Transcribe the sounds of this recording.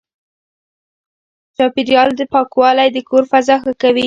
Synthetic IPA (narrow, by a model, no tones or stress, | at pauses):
t͡ʃɑpɪɾijɑld̪əpɑkwɑlajd̪əkʰoɾfazɑxakawi